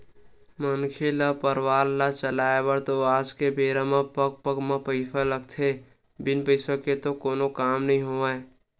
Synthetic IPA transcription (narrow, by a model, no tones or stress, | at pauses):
mənkʰelapəɾwaːlːat͡ʃəlaːebəɾt̪oaːd͡ʒkebeːɾamãpək̚pəkmãpəɪsaləɡt̪ʰe | bɪnpəɪsoket̪okoːnokaːmnɐɦĩɦoːae